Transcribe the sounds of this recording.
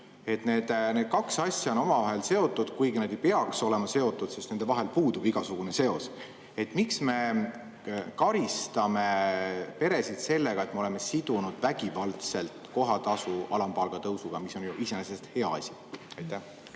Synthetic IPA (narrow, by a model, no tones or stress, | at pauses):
e̞t̪ne̞ːd̪̥ne̞ːd̪̥kɑksɑsʲjɑono̞mɑvɑɦe̞lse̞o̞t̪ːˑud̪̥kujɡinɑd̪̥e̞jpe̞ɑkso̞le̞mɑse̞o̞t̪ːˑud̪̥se̞st̪ne̞nd̪evɑɦe̞lpuːd̪ub̥iɡ̥ɑsuɡ̥une̞se̞o̞s | e̞t̪ːˑmiksme̞ | kɑɾist̪ɑme̞pe̞ɾe̞sid̪̥se̞lːe̞ɡ̥ɑe̞t̪ːmeo̞leme̞sid̪̥unud̪̥væɡ̥ivɑlt̪se̞lt̪ko̞ɦɑt̪ɑsuɑlɑmpɑlɡ̥ɑt̪ɤwsuɡ̥ɑmiso̞njuʔisenesest̪he̞ɑ̰ɑ̰sʲi̥ | ɑjt̪ːæh